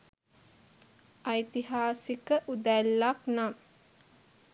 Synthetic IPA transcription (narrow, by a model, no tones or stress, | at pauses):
ajt̪iɦaːsikəʔud̪ælːaknam